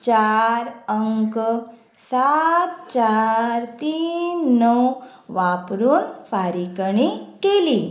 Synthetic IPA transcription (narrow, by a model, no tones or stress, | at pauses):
t͡ɕaɾəŋk | sat̪̚t͡ɕaɾt̪iːnːəw | ʋapɾuːnfaɾikɳikeli